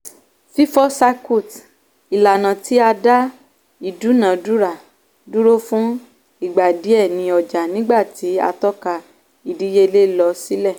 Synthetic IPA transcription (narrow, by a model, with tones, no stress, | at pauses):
fi˦fɔ˦sa˧ko˦˨t | i˨la˨nã˨ti˨˦a˧da˦ | i˨du˨˦nã˨du˦ɾa˦˨ | du˦ɾo˦fũ˦ | i˦˨ɡ͡ba˨di˨˦ɛ˦˨nĩ˧˦ɔ˨d͡ʒa˨nĩ˨˦ɡ͡ba˦˨ti˨˦a̰˧tɔ˦ka˧ | i˨di˨˦je˦˧le˦lɔ˧si˨˦lɛ˦˨